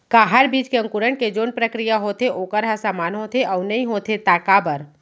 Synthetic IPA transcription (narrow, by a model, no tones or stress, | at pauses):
kaɦəɾbiːt͡ʃkeə̃ŋkuɾəɽked͡ʒoːnpɾəkɾijaɦoːt̪ʰeʔoːkəɾɦɐsaːmaːnɦot̪ʰeʔɔʊnɐɦĩɦoːt̪ʰet̪aːkabəɾ